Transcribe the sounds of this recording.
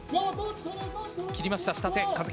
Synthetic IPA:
kʲiɾʲimaɕi̥t̪aɕi̥t̪at̪ẽkazɨ

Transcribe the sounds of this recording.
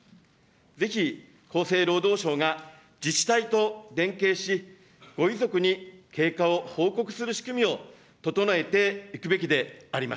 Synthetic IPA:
d͡ze̞çi | kʰo̞ːse̞ːɾo̞ːd̪o̞ːɕo̞ːɡa | d͡ʑit͡ɕi̥t̪ait̪o̞d̪ẽ̞ŋke̞ːɕi | ɡ̥o̞izo̞kɯ̟ɲ̟ike̞ːkao̞ho̞ːko̞kɯ̟̥sɨɾɯ̟ɕi̥kɯ̟mʲio̞ | t̪o̞t̪o̞noe̞t̪e̞ikɯ̟be̞kʲid̪e̞aɾʲima̰s

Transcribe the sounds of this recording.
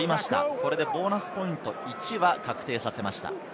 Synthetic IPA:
imaɕi̥t̪a̰ko̞ɾe̞d̪e̞bo̞ːnasɨ̥po̞ĩnt̪o̞it͡ɕiβakakɯ̟̥t̪e̞ːsase̞maɕi̥t̪a̰

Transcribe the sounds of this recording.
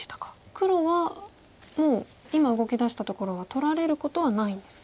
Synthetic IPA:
t̪ḁkḁ | kɯ̟ɾo̞βa | mo̞ː | imaɯ̟ɡo̞kʲid̪aɕi̥t̪at̪o̞ko̞ɾo̞β̞at̪o̞ɾaɾe̞ɾɯ̟ko̞t̪o̞βanaĩnd̪e̞sɨ̥

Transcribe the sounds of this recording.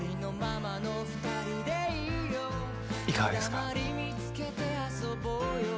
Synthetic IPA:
ɾino̞mamano̞ɸɯ̟̥t̪aɾʲid̪e̞iɯ̟jo | ikaasmaɾʲimʲit͡sɨ̥ke̞t̪e̞aso̞bojo

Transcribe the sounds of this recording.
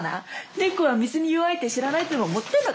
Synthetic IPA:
na̰nekoβamʲizɨɲ̟ijɯβait̪e̞ɕiɾanait̪ːonooːmo̞t̪ːeɯnːoɡ

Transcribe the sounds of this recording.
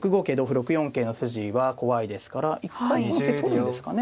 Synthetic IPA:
kɯ̟ɡo̞ːke̞ːd̪o̞ːɸɯ̟ɾo̞kɯ̟jõ̞ŋkeːno̞sɨʑiβako̞βaid̪e̞sɨ̥kaɾaʔikːaihõŋket̪ʰoɾʲid̪e̞sɨ̥kane

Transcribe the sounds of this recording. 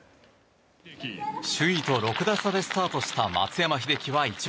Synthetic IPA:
ɕɨit̪o̞ɾo̞kɯ̟d̪asad̪e̞sɨ̥t̪aːt̪o̞ɕi̥t̪ama̰t͡sɨjamaçid̪e̞kʲiβait͡ɕi

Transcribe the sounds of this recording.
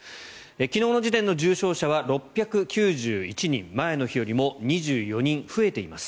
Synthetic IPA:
ekʲino̞ːno̞d͡ʑit̪ẽ̞nːo̞ʑɨːɕo̞ːɕaβaɾo̞pʲːjakɯ̟kʲɨːʑɨːit͡ɕiɲ̟ḭ̃mmːae̞no̞çio̞ɾʲimo̞ɲ̟iʑɨːjo̞ɲ̟ĩɰ̃ɸɯ̟e̞t̪e̞imasɨ̥

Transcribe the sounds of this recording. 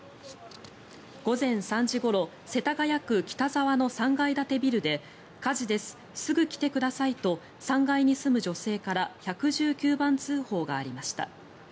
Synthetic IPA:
ɡ̥o̞zẽ̞ɰ̃sãɲ̟d͡ʑiɡo̞ɾo̞ | se̞t̪aɡajakɯ̟kʲi̥t̪azaβano̞sãŋɡaid̪at̪e̞bʲiɾɯ̟d̪e̞ | kaʑid̪e̞sɨ̥ | sɨɡɯ̟kʲi̥t̪e̞kɯ̟d̪asait̪o̞ | sãŋɡaiɲ̟isɨmɯ̟ʑo̞se̞ːkaɾaçakɯ̟ʑɨːkʲɨːbãnt͡sɨːho̞ːɡaːɾʲimaɕi̥t̪a̰

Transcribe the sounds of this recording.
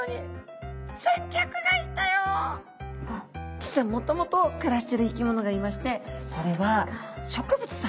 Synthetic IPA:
i | sẽŋkʲakɯ̟ɡait̪ːajo | d͡ʑi̥sɨamːo̞t̪o̞mo̞t̪o̞kɯ̟ɾaɕi̥t̪eɾɯik̬ʲimo̞no̞ɡaimaɕi̥t̪e̞so̞ɾe̞βaɕo̞kɯ̟bɯ̟t͡sɨ̥sa

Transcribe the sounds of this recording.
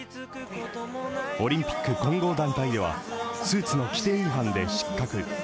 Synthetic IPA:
o̞ɾʲĩmpʲi̥kːɯ̟kõ̞ŋɡo̞ːd̪ãnt̪aid̪e̞βa̰sɨːt͡sɨno̞kʲi̥t̪eːɯɦãnd̪e̞ɕi̥kːakɯ̟

